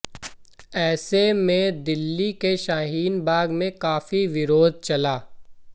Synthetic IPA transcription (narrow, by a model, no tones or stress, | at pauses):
ɛːsemẽd̪ɪlːikeʃaːɦiːnbaːɡmẽkaːfiʋɪɾoːd̪̚t͡ʃɐlaː